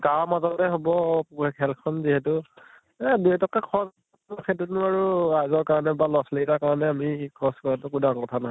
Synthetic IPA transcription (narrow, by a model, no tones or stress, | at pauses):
ɡaɹmazɔtɛɦobɔkʰɛlkʰɔnziɦɛtʊ | ɛduɛtɔkɛkʰɔ | makʰɛtunʊaɹuɹajzɔɹkaɹɔnɛbalɔsleɡitakaɹɔnɛamikʰɔskɔɹatʊkudaŋkɔtʰanaɦɔ